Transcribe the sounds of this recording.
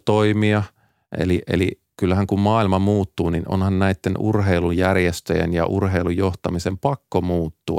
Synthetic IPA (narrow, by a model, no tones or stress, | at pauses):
t̪oimiɑ | ʔḛliʔḛli | kylːæɦæŋkummɑːilmɑmuːt̪ːuːninʔo̰nhɑnnæit̪ːenṵrɦeilujjærjest̪øjḛnjɑ̰ʔurɦeilujoht̪ɑmisempɑkːomuːt̪ːuɑ̰